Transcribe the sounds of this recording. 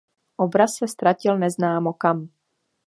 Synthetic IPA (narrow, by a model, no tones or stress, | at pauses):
ʔobɾasːɛst̪ɾacɪlnɛznaːmokam